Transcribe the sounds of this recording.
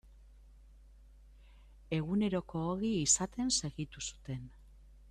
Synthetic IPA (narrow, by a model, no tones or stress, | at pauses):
e̞ɣune̞ɾo̞ko̞ːɣiːsat̪e̞nse̞ɣit̪usu̥t̪e̞n